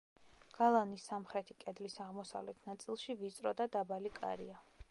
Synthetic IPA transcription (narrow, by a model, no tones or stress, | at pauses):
ɡ̥alˠanisːamχɾɛt̪ʰikʼɛd̪lisaʁmɔsa̰vlɛt̪ʰnat̪sʼilˠʃivit̪sʼɾɔd̪ad̪abalikʼa̰ɾḭa